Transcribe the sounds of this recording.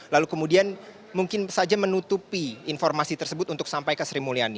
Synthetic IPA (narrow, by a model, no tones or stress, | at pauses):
lalukəmudian | muŋkɪnsad͡ʒamənut̪upiːnfɔrmasit̪ərsəbʊt̪unt̪ʊk̚sampajkəsəɾimuliani